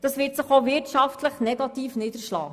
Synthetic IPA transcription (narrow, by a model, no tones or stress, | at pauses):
d̥ɑsʋɪːtsɪχovɪɾtʃɑftləχnɛɡɑtiːfnɪdəʃlɑ̰ː